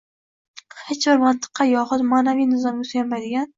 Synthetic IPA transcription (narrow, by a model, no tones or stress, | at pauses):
het͡ʃbɪɾmant̪ʰɨ̥qʰːɑjɒχʊt̪maːnavijnɪzɒmʊsjʲammːajd̪ɪɡʲan